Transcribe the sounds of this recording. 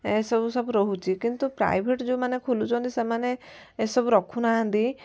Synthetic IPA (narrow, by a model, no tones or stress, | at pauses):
esɔbusɔbuɾɔɦut͡ʃʰikint̪upɾa̰jbʱeʈd͡ʒeũmanekʰolut͡ʃʰɔ̃nt̪isemaneːsɔbuɾɔkʰunaɦãnt̪i